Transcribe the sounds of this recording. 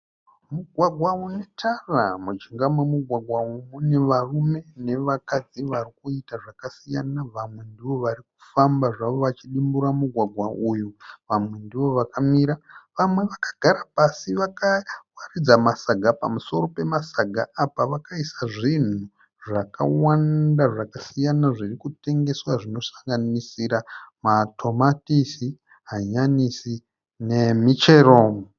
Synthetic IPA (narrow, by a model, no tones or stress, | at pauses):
muɡʱwaɡʱwaune̞tʰara̰mud͡ʒiŋɡamwemuɡʱwaɡʱwaumune̞ʋarume̞ne̞ʋakad͡ziʋarikuitaʐakasijanaʋamwe̞ndiʋo̞ʋaɾiku̥fambaʐaʋo̞ʋat͡ʃiɗimbuɾamuɡʱwaɡʱwaʔujuʋamwe̞ndiʋo̞ʋakamiːɾaʋamwe̞ʋakḁɡ̥ʱaɾapasiʋakawarid͡zamasaɡʱapa̰muso̞ɾo̞pe̞masaɡʱa̰apaʋakaisaʐin̤u | ʐaka̰wandaʐakasijanaʐirikute̞ŋɡe̞swaʐino̞sḁŋɡanisiɾamatʰo̞matisi | ɦaɲanisi | ne̞mit͡ʃe̞ɾoːmo